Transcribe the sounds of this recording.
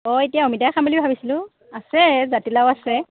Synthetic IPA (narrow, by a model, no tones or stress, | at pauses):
ɔetijaomitajkʰamilibʱabisilʊ̃ | asɛzatilawasɛ